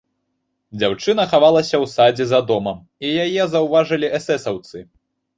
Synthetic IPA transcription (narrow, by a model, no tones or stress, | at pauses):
d͡zʲawt͡ʂɨn̪ɐxavalˠɐsʲɐwsad͡zʲizɐad̪ɔmɐm | ijajɛzɐwvaʐɨlʲiʔɛsɛsɐwt̪sɨ